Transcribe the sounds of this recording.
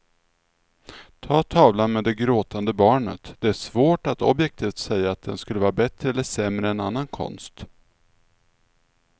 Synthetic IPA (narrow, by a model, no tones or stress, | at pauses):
t̪ʰɑːt̪ʰɑːvlanmeːd̪ɛɡɾoːt̪and̪əbɑːɳə̰t̪d̪ɛæʂvoːʈat̪ʰɔ̰bjɛk̚t̪ʰiːft̪sɛjːaːt̪̚d̪ɛnskɵlːəvɑːɾabɛt̪ɾəɛlːəʂɛmɾəɛna̰nːankʰɔ̰nst̪